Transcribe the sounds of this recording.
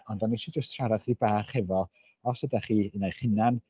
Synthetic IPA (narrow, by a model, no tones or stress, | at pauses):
ɔndɔniʃid͡ʒəstʰʃaɾad̥χiːbaːχhɛvɔ | ɔsədaχiːənajχɪnan